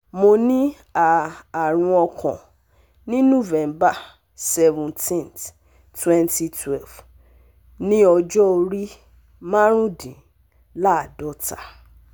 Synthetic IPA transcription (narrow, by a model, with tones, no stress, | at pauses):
mo˧nĩ˦ | aː˨ɾ̃ũ˧ɔ˧kʰɔ̃˨ | nĩ˦nõ˦˨vɛ̃˨mba˦˨ | sɛ˧vũ˨ntʰĩ˦˨nt | twɛ̃˦nti˧tʰwɛ˦˨lf | nĩ˦ɔ˧d͡ʒɔ˦o˧ɾi˦ | mã˦ɾ̃ũ˦dĩ˨ | la˦a˨dɔ˦ta˨